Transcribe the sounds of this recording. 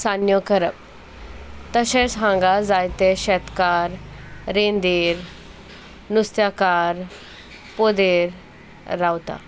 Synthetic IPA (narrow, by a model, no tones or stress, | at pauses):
sanjɔkəɾəp̚ | t̪əɕẽsɦãŋɡad͡zajt̪eɕɛt̪kaɾːend̪iɾ | nust̪jakaɾ | pod̪eɾː | awt̪a̰